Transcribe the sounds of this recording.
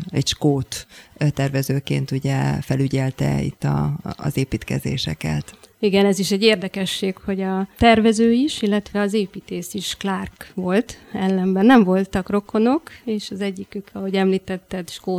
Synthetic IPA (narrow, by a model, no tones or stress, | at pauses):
ɛcʃkoːt̪t̪ɛrvɛzøːkḛːnt̪uɟɛfɛlyɟɛlt̪ɛ̰ḭt̪ːɒ̰ːzeːpiːt̪kɛzḛːʃɛkɛt̪ | iɡɛnɛziʃɛɟːeːrd̪ɛkɛʃːeːkho̞ɟɒt̪ɛrvɛzøːiʃilːɛt̪ʋɛɒzeːpiːt̪eːsiʃklarkʋo̞lt̪ɛlːɛmbɛnːɛɱvo̞lt̪ɒkro̞ko̞no̞keːʃɒzɛɟːikykʰɒho̞ɟɛmliːt̪ɛt̪ːɛt̪ʃkoː